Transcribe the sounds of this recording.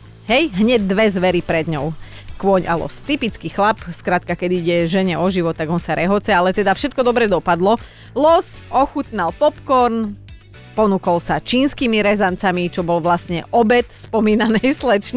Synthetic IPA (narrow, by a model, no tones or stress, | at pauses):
ɦɛjɦɲɛɟ̚d̪ʋɛzʋɛɾipɾɛd̪ɲɔʊkʋɔɲa̰lɔ̰st̪ipit͡skixlapskɾat̪̚kakɛd̪iiɟɛʒɛɲɛɔʒiʋɔt̪ːaɡɔnsaɾɛɦɔt͡sɛalɛt̪ɛd̪afʃɛt̪̚kɔd̪ɔbɾɛd̪ɔpad̪lɔ | lɔsɔxut̪nalpɔpkɔɾn | pɔnukɔlsat͡ʃiːnskiːmiɾɛzant͡samit͡ʃɔbɔlʋlasɲɛ̰ʔɔbɛt̪spɔmiːnanɛjslɛt͡ʃ